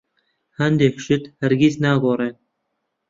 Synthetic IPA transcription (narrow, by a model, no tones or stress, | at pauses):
hænd̪ekʃɪt̪hæɾɡʲiznæːɡoːɾe